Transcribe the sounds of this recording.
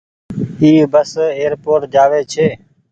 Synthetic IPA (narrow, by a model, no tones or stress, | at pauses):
iːbəseːɾpoːʈ̚d͡ʒaːʋeːt͡ʃʰeː